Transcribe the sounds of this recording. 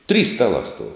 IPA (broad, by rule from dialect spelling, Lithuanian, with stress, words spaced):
tʲrʲiːs ˈstɑːlˠɑː stuɔw